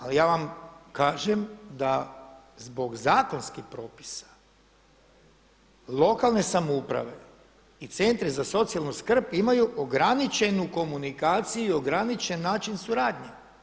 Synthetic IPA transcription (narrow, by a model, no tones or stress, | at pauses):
alijaːʋamkaːʒemd̪a | zbo̞ɡzaːko̞nskixpɾo̞ːpi̥sḁ | lˠo̞kalˠne̞samoupɾa̰ʋe̞ | it̪se̞nt̪ɾizaso̞t̪sialˠnuskr̩pimajuʔoɡɾanit͡ʃe̞nuko̞munikaːt̪sijuio̞ɡɾanit͡ʃe̞nːaːt͡ʃinsuɾaːd̪ɲe